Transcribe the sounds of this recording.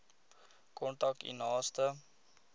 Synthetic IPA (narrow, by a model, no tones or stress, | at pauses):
kɔnʈak̚tḭnɑːstə